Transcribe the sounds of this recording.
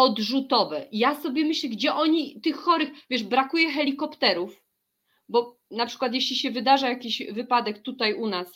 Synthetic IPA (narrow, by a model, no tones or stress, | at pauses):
ɔd̪ʐut̪ɔvɛjasɔbʲjɛmɘɕlɛɡd͡ʑɛʔɔɲit̪ɘxːɔɾɘxvʲjɛʐʂbɾakujɛxɛlʲikɔpt̪ɛɾuf | bɔ | napʂɘ̥kwat̪̬jeɕlʲiɕɛvɘd̪aʐajakʲiɕvɘpad̪ɛkt̪ut̪ajunas